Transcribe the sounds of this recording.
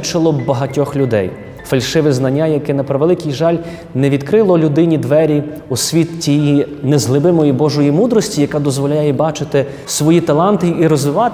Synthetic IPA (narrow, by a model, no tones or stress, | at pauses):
t͡ʃɪlˠɔbɐɦɐtʲɔxlʲʊd̪ɛ̰j | fɐlʲʃɪʋɪznɐnʲːajɐkɛnɐpɾɐʋelˠɪkʲijʒɑlʲ | nɛʋʲid̪kɾɪlˠɔlʲʊd̪ɪnʲid̪ʋɛɾʲi | usʲʋʲit̪tʲijinɛzɦlˠɪbɪmɔjibɔʒɔjimud̪ɾɔsʲtʲijɐkɑd̪ɔzʋɔlʲajɛbɑt͡ʃɪt̪ɪ | sʋɔjit̪ɐlˠɑnt̪ɪʔiɾɔzʋɪʋɑ